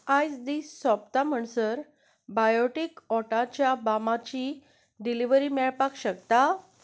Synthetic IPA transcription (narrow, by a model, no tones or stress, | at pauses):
ajsd̪iːsːabt̪am̤əɳsəɾ | bajɔʈikɔʈat͡ɕjabamat͡ɕi | ɖiliʋəɾimɛɭpakɕəkt̪a